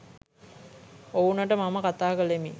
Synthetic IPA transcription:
ounɐʈəmaməkat̪aːkəlemi

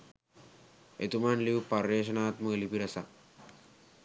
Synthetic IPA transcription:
ḛt̪umanliʋpɐrːeːʃ̬ɐnaːt̪mɐlipiɾɐsa

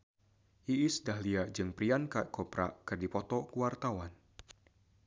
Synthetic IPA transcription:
ʔiʔɪsdahliaʔd͡ʒɨŋpɾiankaʔkɔpɾa̰kɨrdipɔt̪ɔkuwart̪awan

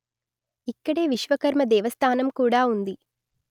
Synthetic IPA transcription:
ikːɐɽe̞ːʋiʃʋɐkɐɾmɐd̪ɛːʋɐst̪ʰaːnɐmkuːɽaːund̪i

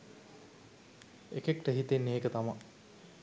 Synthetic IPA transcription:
ekekʈəɦit̪enːeːkət̪ama

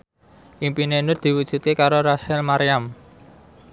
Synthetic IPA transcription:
ʔimpinenʊrd̪̥i̤wud̥ʒ̥ṳt̪̚kekaɾoɾaʃɛlmaɾijam

